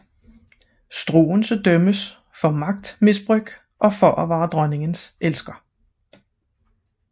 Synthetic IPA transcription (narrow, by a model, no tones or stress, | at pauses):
sd̥ʁo̝̰ːn̩sɒd̥œməs | fɒ̽mɑ̈ɡ̥̚d̥misb̥ʁœɡ̥ | ʔɒ̽fɒ̽ʔæʋɑ̈ːd̥ʁɶne̝ŋənsʔelsɡ̥ɐ